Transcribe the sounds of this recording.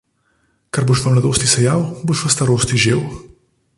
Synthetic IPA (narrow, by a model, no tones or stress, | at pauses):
kɐɾboʃʋamlad̪oːst̪isɛjawboːʃʋast̪aɾoːst̪iʒeːw